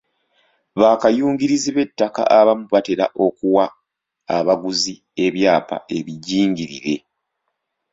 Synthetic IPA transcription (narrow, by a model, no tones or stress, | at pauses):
βaːkajuːŋɟiɾiziβe̞tːaka̰ʔaβamuβate̞ɾa̰ʔo̞kuwaː | βaɡuzi | e̞βjaːpa̰e̞βiɟiːŋɡiɾḭɾe̞̰